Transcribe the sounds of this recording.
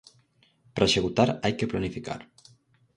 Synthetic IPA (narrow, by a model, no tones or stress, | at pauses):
pɾʔaʃeɣut̪aɾajkeplanifika̰ɾ